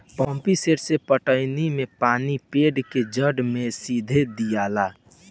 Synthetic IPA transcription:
pɔ̃ːmpiseɾsepəʈəɪnimẽpaːnipeːɖked͡ʒəɖmẽsiːd̪ʱed̪ijaːla

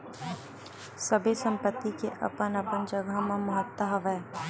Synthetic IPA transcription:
sɐbʱesə̃mpət̪ːikeʔɐ̰pənɐpənd͡ʒɐɡəɦmẽmɐɦət̪ːəɦəʋɛː

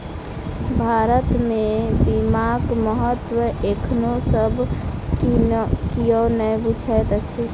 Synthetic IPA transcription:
bʱaɾət̪mebimaɡməɦət̪wəʔekʰnosəbʱ | kijənəbut͡ʃʰɛjt̪t͡ʃʰi

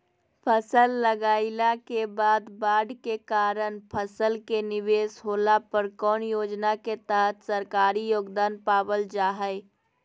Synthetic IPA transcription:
pʰəsəlːəɡaːɪlakebaːd̪baːɖkekaːɾənpʰəsəlkenɪʋeːsɦoːlapəɾkɔːnjoːd͡ʒnaket̪əɦət̪səɾkaːɾijoːɡd̪aːnpaːwəld͡ʒaːɦɛɪ

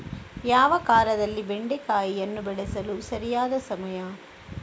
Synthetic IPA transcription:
jaːʋɐkaːɾɐðɐlːiʋɛɳɖekaːjiɛnːɯbɛɽɐsɐlusɐɾɪjaːðɐsɐmɐjaː

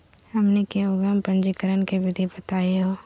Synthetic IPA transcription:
ɦɐmnekeʊɡəmpɐ̃ɲd͡ʒikəɾənkebʱɪd̪ʱibət̪aːeɦoː

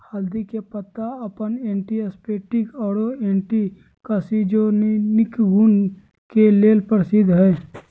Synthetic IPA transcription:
haːld̪ikepət̪ːaɐpənẽːɳʈiəspeːʈɪkɔːɽoẽːɳʈi | kasid͡ʒonɪkɡuːn | keleːlpəɾsɪd̪ʱɦɛː

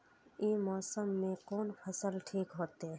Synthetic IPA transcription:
ĩmɔːsəmːẽkoːnfʰɐsəlʈʰiːkɦoːt̪e

